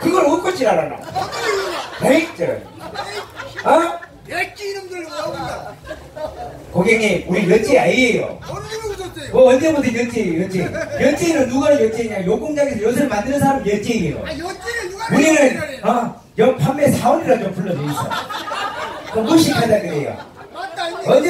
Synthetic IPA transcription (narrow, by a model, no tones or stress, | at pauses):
kɯɡʌɾok͈ʌt͡ɕ͈ʰiɾaɾana̰ | keik̚t͡ɕ͈ʌ | a | koɡeŋiuɾijʌt͡ɕ͈iaiejo̰ | wʌʌnd͡ʑebodʰʌjʌt͡ɕ͈ejʌt͡ɕ͈ejʌt͡ɕ͈eiɾonuɡaɾɯɭjʌt͡ɕ͈iɲajok͈uŋd͡ʑaɡesʰʌjos̬ʰɯɾmandɯnɯnsʰaɾamjʌt͡ɕ͈eiiɾo̰ | uɾiɾɯnʌ | jʌpʰamːesʰaoniɾat͡ɕompuɭːʌd͡ʑois͈ʌ̰j | tomɡuɕʰipʰadaɡɯɾejo̰ | ʌnd͡ʑ